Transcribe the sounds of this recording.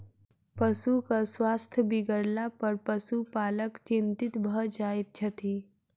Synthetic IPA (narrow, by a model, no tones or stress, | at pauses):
pəsukaswast̪ʰjəbiɡəɽlapəɾpəsupaːləkt͡ʃint̪it̪bʱəd͡ʒait̪̚t͡ʃʰɐt̪i